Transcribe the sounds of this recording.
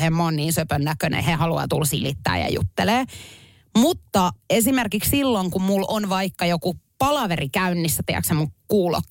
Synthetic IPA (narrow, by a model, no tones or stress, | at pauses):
hemːonniːnsøpønːækønḛhehɑluɑ̰t̪ulsilit̪ːæ̰ːjɑ̰jṵt̪ːeleː | mut̪ːɑesimerkikssilːoŋkummulonʋɑikːɑjokupɑlɑʋerikæynːisːæt̪iæ̰ksemukkuːlo̰kː